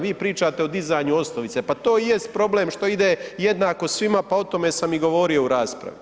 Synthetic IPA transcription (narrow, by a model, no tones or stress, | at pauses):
ʋiːpɾiːt͡ʃat̪eod̪izajɲuo̞snoʋit̪se̞pat̪o̞ːje̞st̪̚pɾo̞bleːmʃt̪o̞id̪ejed̪naːko̞sʋimapao̞t̪o̞me̞samiɡo̞ʋo̞ːɾio̞uɾaːspɾa̰ʋi